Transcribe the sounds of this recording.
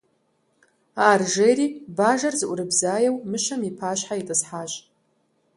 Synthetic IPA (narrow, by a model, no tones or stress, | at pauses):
aːrʒejɾiːbaːʒɐrzɨʔʷʼɾɨbzaːjɛwmɨʃɐmipʰaːɕħaitʼɨsħaːɕʼ